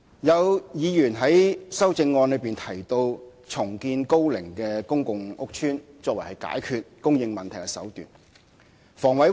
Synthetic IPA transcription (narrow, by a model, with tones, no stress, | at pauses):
jɐ˨˧wjiː˨˧jyː˨˩nɦɐ˨˥jsɐ˥wt͡sɪ˧ŋːɔː˧nlɵ˨˧piː˨nt̪ʰɐ˨˩jt̪o˧w | t͡ʃʰʊ˨˩ŋkiː˧nko˥wlɪ˨˩ŋkɛː˧kʊ˥ŋkʊ˨ŋʊ˥k̚t͡ʃʰyː˥n | t͡sɔː˧k̚wɐ˨˩hɐ˨jka̰ː˨˥jkʰyː˧t̚kʊ˥ŋjɪ˧ŋmɐ˨nt̪ʰɐ˨˩jkɛ˧sɐ̰˨˥wt̪y̰ː˨˩n | fɔː˨˩ŋwɐ˨˥j